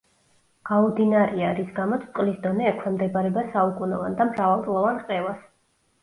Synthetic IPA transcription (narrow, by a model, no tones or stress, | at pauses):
ɡ̥aud̪inaɾiaɾisɡamɔt̪sʰt̪ʼqʼlisd̪ɔnɛːkʰwɛmd̪ɛbaɾɛbasaukʼunɛvand̪amɾavalˠt̪ʼlˠɔvanqʼɛvas